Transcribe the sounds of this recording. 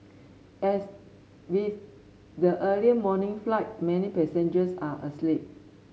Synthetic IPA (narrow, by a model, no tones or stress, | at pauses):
ɛs | wiθ | dəʔəliəmɔnĩŋflaɪt̚mɛ̃nipɛsẽnd͡ʒəsaʔəslip̚